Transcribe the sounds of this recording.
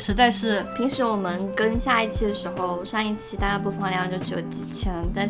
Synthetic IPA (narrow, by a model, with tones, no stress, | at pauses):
ʂɻ̩˧˥t͡sa˥˧ɪʂɻ̩˥˩pʰi˧˥ŋʂɻ̩˧˥wɔ˨˩mə˧˦nkə˥nɕja˥˧i˥˩t͡ɕʰi˥˩d̪ə˩ʂɻ̩˧˥xo˥˧ʊʂa˥˧ŋi˥˩t͡ɕʰi˥˩t̪a˥˧p̬u˥˩fə˨˩n˧jɑ˥˧ŋt͡ɕjo˥˩ʊʈ͡ʂɻ̩˥˩jo̰˧˥ʊt͡ɕi˨˩t͡ɕʰɛ˥ŋ˧t̪a˥˧